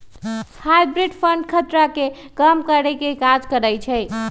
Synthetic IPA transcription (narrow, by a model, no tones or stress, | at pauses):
hajbɾiɖpʰəɳɖkʰət̪ɾake | kəmkəɾɛkekad͡ʒkəɾəjt͡ʃʰɛj